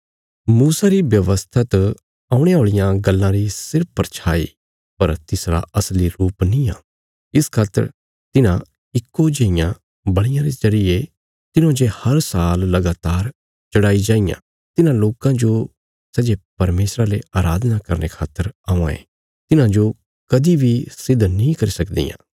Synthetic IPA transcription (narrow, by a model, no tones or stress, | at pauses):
muːsaɾibjɐʋəst̪ʰat̪ | aːũɽ̃eɦoːɭɪjãɡɐlːãɾisɪɾp̚pːɾt͡ʃʰaːḭ | pɐɾt̪ɪsɾa̰ɐsliɾuːpnĩa̰ː | ɪskʰaːt̪ə̰ɾ | t̪ɪnã | ɪkːod͡ʒeːɪjã | bɐɽ̃ɪjãɾezɐɾije | t̪ɪnõd͡ʒehɐɾsaːlːɐɡaːt̪aːɾ | t͡ʃɐɽaːid͡ʒaːɪjã̰ | t̪ɪnãloːkãd͡ʒo | sɛːd͡ʒepɐɾmeːsɾaleaːɾaːd̪nakɐɾnekʰaːt̪ːəɾãːã̰ḛ̃ | t̪ɪnãd͡ʒo | kɐd̪ibʱisɪd̪ʱnĩkɐɾisɐkd̪ḭjã̰ː